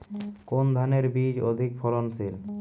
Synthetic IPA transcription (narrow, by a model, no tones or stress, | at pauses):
kond̪ʱaneɾbid͡ʑod̪ʱikfʰɔlonsʰil